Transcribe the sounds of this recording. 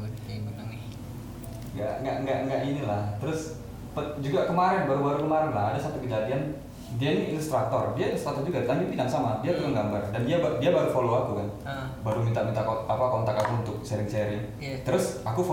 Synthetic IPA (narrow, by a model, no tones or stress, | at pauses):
ŋɡa̰ʔŋɡaʔŋɡaʔŋɡaʔinilaht̪əɾʊs | pəd͡ʒuɡakəmaɾɛnbaɾubaɾukəmaɾɪŋlahadasat̪ukəd͡ʒadian | diainiːlust̪ɾat̪ɔrdiailust̪ɾat̪ɔrd͡ʒuɡalaŋɡipinaŋsamadiad͡ʒuɡaŋɡambardandiabadiabaɾufoloakukanbaɾumint̪aʔmint̪akapakɔnt̪akakuunt̪ʊk̚sɛɾɪŋseɾɪŋ | t̪əɾʊsakuf